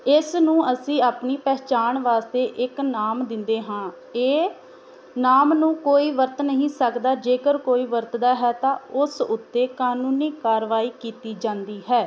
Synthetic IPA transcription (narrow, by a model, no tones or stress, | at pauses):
ɪsnũːəsĩːaːpniːpɛːt͡ʃaːɳʋaːst̪eːʔɪknaːmd̪ɪnd̪eːɦãː | eː | naːmnũːkoːiːʋəɾt̪nəɦĩːsəkd̪aːd͡ʒeːkəɾkoːiːʋəɾt̪d̪aːɦɛːt̪ãːʊsʊt̪ːeːkaːnũːniːkaːɾʋaːiːkiːt̪iːd͡ʒãːnd̪iːɦɛː